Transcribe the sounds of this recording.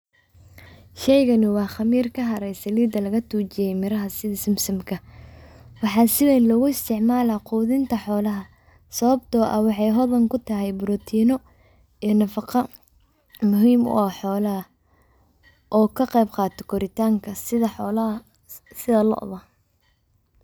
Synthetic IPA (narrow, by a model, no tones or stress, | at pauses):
ʃɛjɣɐnɪwɑːχɑmiːrkʰɐɦɐɾɛjsɐliːd̪ɐlɐɣɐt̪ʰuːt͡ʃɪjɛjmɪɾɐɦɐsɪðɪsɪmsɐmkʰɐ | wɑħɑːsɪwɛnlɔɣʊɪst̪ʰɪʕmaːlɐquːðɪnt̪ʰɐħɔːlɐɦɐ | sɐβɐbt̪ʰɔːʔɐ̰wɑħɑjɦɔðɐŋkʰʊt̪ʰɐɦɛjbʊɾɔːt̪ʰiːnɔ | inɐfɑqɑ | mʊɦiːmʊ̰ɐħɔːlɐɐ | ʔɔːkʰɐqɛjbqɑːt̪ʰɔkʰɔɾɪt̪ʰaːŋkʰɐɪðɐħɔːlɐ | sɪðɐlɔ̰ʔðɐ